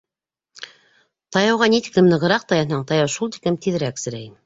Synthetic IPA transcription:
t̪ɑjɑwʁɑnit̪ɘ̥klɘmnɤ̆ʁɤ̆ɾɑq̚t̪ɑjɑnɑɴt̪ɑjɑwʃulˠt̪i̥klɘmt̪ʰiðɘ̆ɾæksɘ̆ɾæjm

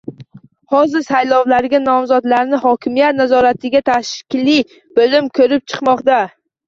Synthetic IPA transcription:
hɒzɪɾsajlɒwlaɾɡʲanɒmzɒd̪laɾnɪhɒkʲʰɪmijat̪̚nazɒɾat̪ʰɪɡʲat̪ʰaʃkʲɪli | bolɪmkʰɵɾɪp̚t͡ʃʰɨ̥qmɒqt̪a

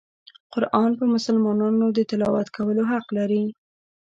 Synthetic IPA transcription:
qʊɾʔɑnpəmʊsəlmɑnɑnod̪ət̪ɪlɑwat̪kʰawəloɦaqlaɾi

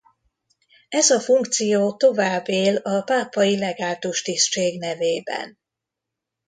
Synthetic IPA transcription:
ɛzɒfuŋkt̪sijoːt̪o̞vaːbːeːlɒpaːpɒjilɛɡaːlt̪oʃt̪ist͡ʃeːɡnɛveːbɛ̰n

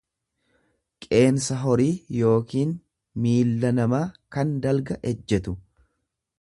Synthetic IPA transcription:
kʼe̞ːnsɐɦɔɾiːjo̞ːkiːn | miːlːɐnɐmaːkɐnd̪ɐlɡɐʔɛd͡ʒːɛt̪ʊ

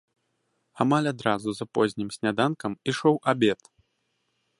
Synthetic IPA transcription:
amalʲad̪ɾazuzapɔzʲnʲimsʲnʲad̪ankɐmiʂɔwʔabʲɛt̪

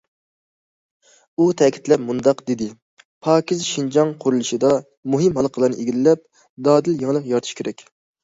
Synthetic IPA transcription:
ut̪ʰɛkʲʰi̥t̪lɛpmund̪ɑqd̪ed̪ɪ | pʰɑːkʲizʃind͡ʒɑŋqʰʊɾulˠɨʃɨd̪ɑ | muɦɨmɦɑlˠəqʰəlˠɑɾnɨʔeɡʲilɪlɛp̚ | d̪ɑːd̪ɪljɪŋlˠəqjɑɾt̪ʰu̥ʃkʲʰeɾɛkʲ

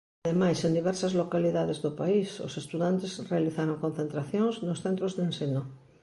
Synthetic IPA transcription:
ðemajsend̪iβ̞ɛɾsazlokaliðaðezðopaiso̰sest̪uðant̪esrealiθaɾoŋkon̟θent̪ɾaθjoŋznosθent̪ɾozðenseno

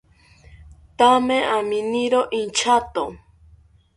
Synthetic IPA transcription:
t̪amẽʔaminiɾoʔint͡ʃʰat̪o

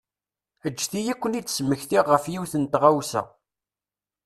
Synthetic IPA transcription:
əd͡ʒːθijækʷːənid̪sməçθiʁəfjiwθənt̪ʁawsæ̰

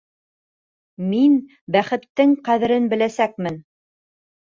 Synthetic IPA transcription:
min | bæχɘ̆t̪ːɘŋqæðɘ̆ɾɘnbɘ̆læsæk̚mɘn

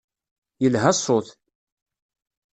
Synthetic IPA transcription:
jəlɦæsˤːoθ

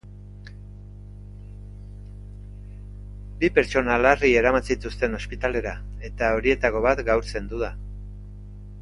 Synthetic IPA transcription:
bipe̞ɾt͡so̞nalarie̞ɾamat͡sit̪ust̪e̞no̞spit̪ale̞ɾa | e̞t̪ao̞ɾie̞t̪ako̞βat̪ɡawɾse̞nd̪uða

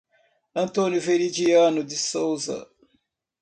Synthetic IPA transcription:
ɐ̃nt̪õnjʊvenid͡ʒiɐ̃nʊd̪ɪsowzɐ̰

